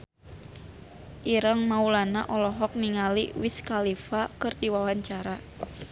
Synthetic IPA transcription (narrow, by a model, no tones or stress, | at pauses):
ʔiɾaŋmaulanaʔɔlɔɦɔk̚niŋaliwiskalifakɨrdiwawaɲt͡ʃaɾa